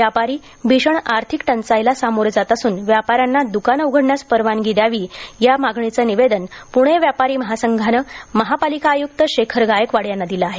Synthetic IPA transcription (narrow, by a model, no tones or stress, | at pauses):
ʋjapaɾiː | bʱiɕəɳaɾt̪ʰikʈənt͡sajlasamoɾd͡zat̪əsuːnʋjapaɾjanːad̪ukanuɡʱəɽɳjaspəɾʋanɡid̪jaʋiːjamaɡɳit͡səniʋed̪ənpuɽ̃eʋjapaɾiːməɦasəŋɡʱanəməɦapalikaːjuk̚t̪əɕekʰəɾɡajəkʋaɽjanːad̪ilaaɦe